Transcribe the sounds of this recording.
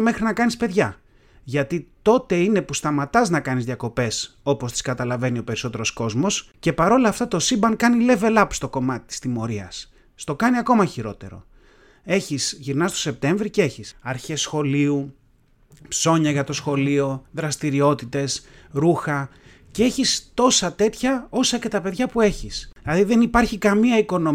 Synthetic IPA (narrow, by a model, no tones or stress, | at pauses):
me̞xɾinɐkɐnispe̞ðʝɐ | ʝɐt̪it̪o̞t̪e̞ine̞pust̪ɐmɐt̪ɐznɐkɐnizðʝɐko̞pe̞so̞po̞st̪i̥skɐt̪ɐlɐve̞nio̞pe̞ɾiso̞t̪e̞ɾo̞sko̞zmo̞sce̞pɐɾo̞lɐːft̪ɐt̪o̞sibɐŋkɐnile̞ve̞lɐpst̪o̞ko̞mɐt̪i̥t̪i̥st̪imo̞ɾiɐsː | t̪o̞kɐniɐko̞mɐçiɾo̞t̪e̞̰ɾo̞̰ | e̞çisʝiɾnɐst̪o̞se̞p̚t̪e̞ɱvɾice̞çisɐɾçe̞sxo̞liu | pso̞ɲɐʝɐt̪o̞sxo̞lio̞ðɾɐst̪iɾio̞t̪it̪e̞sɾuxɐ | cee̞çist̪o̞sɐt̪e̞t̪çɐo̞sɐce̞t̪ɐpe̞ðʝɐpue̞çisilɐðiðe̞nipɐɾçikɐmiɐiko̞no